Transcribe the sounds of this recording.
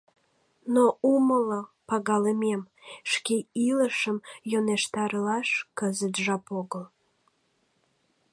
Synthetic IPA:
nouməlopɑɣɑləmem | ʃkeiləʃəmjoneʃt̪ɑɾəlɑʃkəzət̪ʒɑpoɣəl

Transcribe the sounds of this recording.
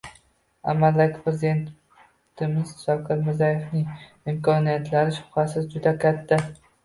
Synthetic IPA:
a̰mːald̪akʲɪ̥pʰɾezid̪e̞nt̪ | t̪ʰɪmɪzʃɒkʰʲɪɾmɪɾzajefnɪŋ | ɪmkʰɒnijat̪ʰlaɾɪʃʊ̥phasɪzd͡ʒʊd̪akʲʰat̪ʰːa

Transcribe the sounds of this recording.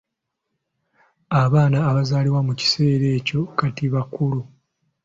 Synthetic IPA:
aβaːnaːβazaːliwamuci̥se̞ːɾe̞ːco̞katiβakulu

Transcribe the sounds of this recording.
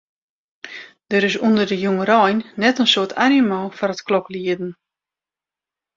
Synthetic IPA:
d̥əɾɪs̬undərdəjuŋəɾɔjnːɛtənsoətʰanimɔːfɔɾətklɔkliədn̩

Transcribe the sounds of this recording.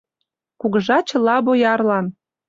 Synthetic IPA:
kuɣəʒɑt͡ɕə̆lɑβojɑrlɑn

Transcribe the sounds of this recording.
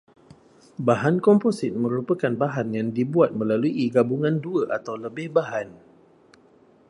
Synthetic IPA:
baɦankɔmposɪt̪̚mə̃ɾupəkanbaɦanjaŋdibuat̪̚mə̃laluʔiɡabuŋãnduəʔat̪awləbɪhbaɦan

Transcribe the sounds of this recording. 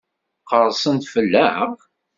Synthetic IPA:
qəɾˤsənt̪fəlːæʁ

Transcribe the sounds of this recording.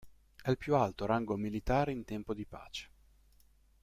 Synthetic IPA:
ɛilpjualt̪oɾaŋɡomilit̪aːɾeint̪ɛmpod̪ipa̰ːt͡ʃe̥

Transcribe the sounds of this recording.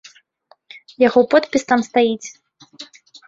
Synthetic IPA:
jaɣɔpɔt̪pʲist̪amst̪ajit͡sʲ

